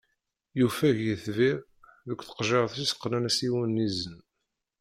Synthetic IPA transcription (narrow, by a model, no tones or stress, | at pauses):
jufæʝjəθviɾ | ðəkʷːθə̥qʒeɾθisqːnænæsiwənːizən